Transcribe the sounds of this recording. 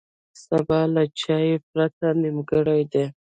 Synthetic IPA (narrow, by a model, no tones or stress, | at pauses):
sabɑlat͡ʃɑjep̚ɾat̪animɡəɽajd̪e